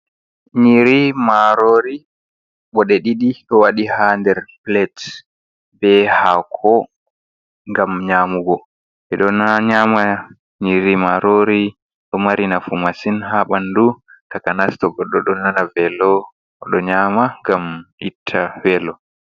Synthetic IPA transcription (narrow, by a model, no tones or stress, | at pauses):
ɲiɾimaɾoɾi | ɓɔɗeɗiɗiɗɔwaɗihandɛɾplɛt | bɛhakʰɔ | ŋɡamɲamuɡɔ | ɓɛɗɔnaɲama | ɲiɾimaɾoɾi | ɗɔmaɾinafumasinhaɓandutakanastɔɡɔɗɔɗɔnanavɛlɔ | ɔɗɔɲamaŋɡamitʰːavɛlɔ